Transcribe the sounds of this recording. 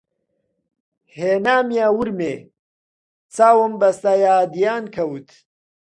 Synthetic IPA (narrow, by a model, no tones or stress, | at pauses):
heːnaːmjaːwuɾme | t͡saːwəmbɐst̪aːjaːd̪ijaːnkʰɐwt̪ʰ